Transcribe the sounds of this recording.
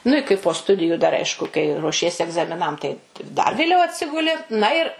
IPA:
nʊ ɪ kɐɪ poː ˈstʊdʲɪjʊ dɐr ˈɐɪʃkʊ kɐɪ ruɔˈʃʲiɛsʲɪ ɛɡzɐmʲɪˈnɐm tɐɪ dɐr ʋʲeːˈlʲɛʊ ɐtʲˈsʲɪɡʊlʲɪ nɐ ɪr

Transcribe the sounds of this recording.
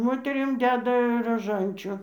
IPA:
ˈmoːtʲɛrʲɪm ˈdʲæːdɐ rɐˈʒɐnʲt͡ʃʲʊ

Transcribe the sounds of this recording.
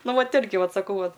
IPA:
ˈnʊ ˈʋɐt ˈɪrʲɡʲɪ ˈʋɐt sɐˈkɐʊ ˈʋɐt

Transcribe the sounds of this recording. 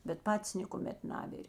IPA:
bʲɛt ˈpɑːtʲɪs nʲeːkʊˈmʲɛt ˈnɑːʋʲɪrʲ

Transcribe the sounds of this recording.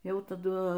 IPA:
ˈjɛʊ tɐˈdʊ

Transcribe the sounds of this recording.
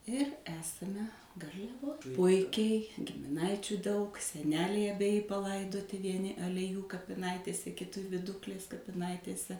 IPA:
ɪr ˈæːsɐmʲɛ ɡɐrʲlʲɛˈʋoːj ˈpʊɪkʲɛɪ ɡʲɪmʲɪˈnɐɪt͡ʃʲuː dɐʊk sʲɛˈnʲæːlʲɛɪ ɐbʲɛˈjɪ pɐˈlˠɐɪdoːtʲɪ ʋʲiɛˈnʲɪ ɐlʲɛˈjuː kɐpʲɪˈnɐɪtʲeːsʲɛ kʲɪˈtʲɪ ʋʲɪˈdʊklʲeːs kɐpʲɪˈnɐɪtʲeːsʲɛ

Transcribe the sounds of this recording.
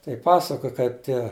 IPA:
tɐɪ ˈpɑːsɐkoːj ˈkɐɪp ˈtʲiɛ

